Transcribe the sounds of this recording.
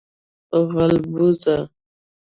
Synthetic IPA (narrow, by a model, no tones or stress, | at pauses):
ɣalbuza